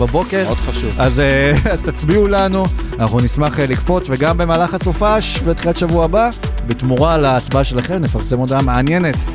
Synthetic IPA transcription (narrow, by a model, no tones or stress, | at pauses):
babo̞ke̞ʁod̪χaʃuvazazt̪at͡sbiulanuanaχnunismaχlikfo̞t͡sve̞ɡambe̞maːlaχasofaʃvet̪χilatʃavuaːbabet̪muʁalaːt͡sbaʃe̞laχe̞mnefaʁsemod̪ameanje̞net